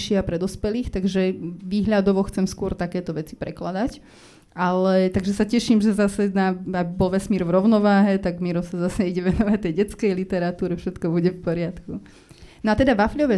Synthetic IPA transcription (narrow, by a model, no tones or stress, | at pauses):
ʃɪiapɾɛd̪ɔspɛliːxt̪aɡʒɛʋiːɦʎad̪ɔʋɔxt͡sɛmskʊɔɾt̪akɛːt̪ɔʋɛt͡si̥pɾɛklad̪ac | alɛt̪aɡʒɛsacɛʃimʒɛzasɛnaabibɔlʋɛsmiːɾvɾɔʊnɔʋaːɦɛt̪aɡmiɾɔmsazasɛiɟɛʋɛnɔʋɛt̪ɛjɟɛt͡skɛjlit̪ɛɾat̪uːɾɛfʃɛt̪kɔbuɟɛfpɔɾɪat̪ku | nɔat̪ɛd̪aʋafʎɔʋɛ